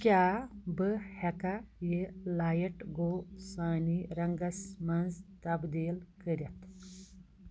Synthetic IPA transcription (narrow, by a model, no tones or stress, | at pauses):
kʲjabəhɛkajelajɐʈɡosaːniɾɐŋɡɐsmɐnd͡zt̪ɐbd̪eːlkəɾjɐt̪